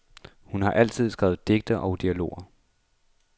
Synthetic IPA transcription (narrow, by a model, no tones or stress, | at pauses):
hunhɑ̈ʔæl̰t͡sʰið̞̰ˠsɡ̥ʁɛ̰ːʊð̞̩ˠd̥e̝ɡ̥̚d̥ɐʔɒ̽ʊd̥iælo̝̰ːɐ